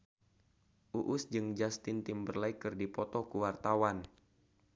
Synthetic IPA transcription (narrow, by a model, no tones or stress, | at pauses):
ʔuʔʊsd͡ʒɨŋd͡ʒast̪ɪnt̪ɪmbərlaikɨrdipɔt̪ɔkuwart̪awan